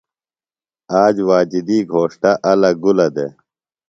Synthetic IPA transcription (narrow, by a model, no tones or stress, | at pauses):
aːd͡ʑwaːd͡ʑid̪iːɡʱoːʂʈaʔɐlɐɡulɐd̪e